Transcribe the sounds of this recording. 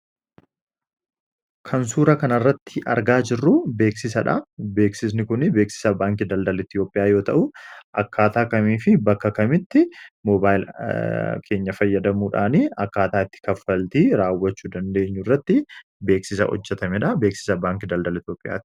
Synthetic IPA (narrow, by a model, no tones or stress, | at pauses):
kʰɐns̬uːɾɐkɐnɐrːɐt̪ːɪʔɐ̰ɾɡaːd͡ʒɪrːʊbe̞ːksɪs̬ɐᶑɐbe̞ːksɪs̬nɪkʊnɪbe̞ːksɪ̥sɐbaːŋkɪd̪ɐld̪ɐlɪt̪jo̞ːpʼɪjaːjo̞ːt̪ɐʔʊʔɐkːaːt̪aːkɐmiːfɪbɐkːɐkɐmɪt̪ːɪmɔːbaːjɪl | kʰe̞ːɲːɐfɐjːɐd̪ɐmuːᶑa̰ːniɐkːaːt̪aːɪt̪ːɪ̥kɐfːɐlt̪iːɾaːwːɐt͡ʃːuːd̪ɐnd̪e̞ːɲːʊrːɐt̪ːɪ | be̞ːksɪs̬ɐ̰hɔ̰d͡ʒːɛt̪ɐmɛᶑɐbe̞ːksɪ̥sɐbaːŋkɪd̪ɐld̪ɐlɪt̪jo̞ːpʼːɪjʔa̰ːt̪ɪ̥